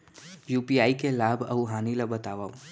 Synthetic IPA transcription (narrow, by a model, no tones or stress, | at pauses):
juːpiaːikelaːbʱɐ̰uɦaːnilabɐt̪aːʋau